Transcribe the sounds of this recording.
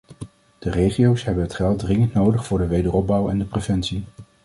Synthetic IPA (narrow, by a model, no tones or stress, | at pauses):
d̥ərejχiowsɦɛbənɦətχɛlˠt̚drɪŋəntnowdəχfʊːɹdəʋejdərɔb̚bʌwɛndəprevɛntsi